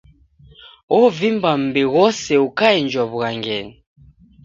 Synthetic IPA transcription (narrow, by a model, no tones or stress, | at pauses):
ɔvimbam̩bɛɣɔsɛukaind͡ʒɔβuɣaŋɡɛni